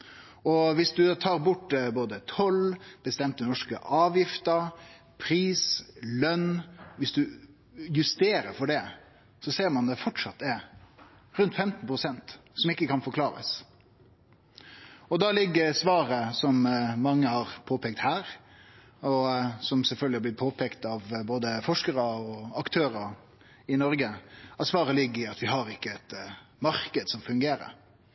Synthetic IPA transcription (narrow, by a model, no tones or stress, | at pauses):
ɔʋɪsd̪ʉt̪ʰɑːɾbʊʈd̪ɛboːd̪ət̪ʰɔlb̥əst̪ɛmt̪ənɔʂkə̰ʔɑːʋjɪft̪ə | pʰɾiːslœnʋɪsd̪ʉ | jʉst̪eːɾəɾfɔɖɛ | sɔseːɾmɑnd̪ɛfɔʈʂɑt̪ːɛɾ | ɾʉnt̪fɛmt̪n̩pʰɾʊsɛnt̪sɔmɪkːəkɑnfɔɾkʰlɑːɾə̰s | ɔd̪ɑlɪɡːəsʋɑːɾəsɔmmɑŋːəhɑɾpʰoːpɛːk̚t̪hæːɾ | ɔsɔmsɛlfœlɡ̪lɪɑblɪt̪̚pʰoːpʰɛkt̪ɑʋboːd̪əfɔʂkəɾəɔɑkt̪ʰøːɾə | ɪnɔɾɡəɑt̪sʋɑːɾəlɪɡːəɪɑt̪ʋɪhɑɾɪkːəɛt̪mɑɾkəd̪sɔmfʉŋɡeːɾə̰ɾ